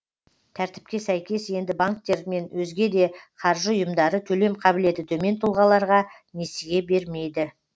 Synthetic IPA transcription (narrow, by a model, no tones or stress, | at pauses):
t̪ʰæɾt̪ɪ̥p̚kʲe̞sæjkʲe̞sje̞nd̪ɪbaŋk̚t̪ːe̞ɾme̞nwɵzɡʲe̞d̪e̞qʰɑɾʒəʊjəmd̪ɑɾət̪ʰɵle̞mqʰɑbɪle̞t̪ɪt̪ʰɵme̞nt̪ʰʊlˠʁɑlˠɑɾʁɑ | ne̞sɪɡʲe̞be̞ɾme̞jd̪ɪ